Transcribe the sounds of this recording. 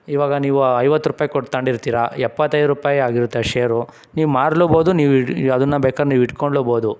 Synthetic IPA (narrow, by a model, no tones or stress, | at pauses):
iʋaːɡɐniːʋuɐjʋɐt̪ːɾupaːjikoʈt̪ɐɳɖiɾt̪iːɾaɛpːɐt̪ːɐjd̪ɾupaːjiaːɡiɾut̪ːeʃeːjɐɾu | niːʋumaːɽloːboːd̪uniːʋɐd̪ɐnːɐbɛːkaːɾeniːʋiʈkoɳɖloːboːd̪u